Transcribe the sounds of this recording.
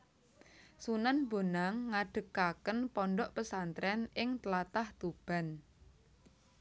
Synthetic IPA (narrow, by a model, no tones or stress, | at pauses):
sunanmbo̤naŋːaɖ̥ə̤kakənpɔnɖɔʔpəsant̪ɾɛnɪŋt̪lat̪aht̪ub̥a̤n